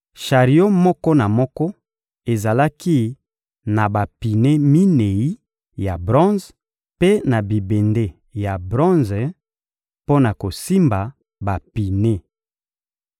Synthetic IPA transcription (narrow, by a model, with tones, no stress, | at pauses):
ʃa˨ʁi˨o˦mɔ˦kɔ˦na˨mɔ˦kɔ˦ | e˨za˨la˦ki˦ | na˨ba˨pi˨ne˦mi˦ne˨i˦ | ja˨bʁɔ̃˦nz | pe˦na˨bi˨be˨nde˦ | ja˨bʁɔ̃˦nz | po˦na˨ko˨si˦mba˨ | ba˨pi˨ne˦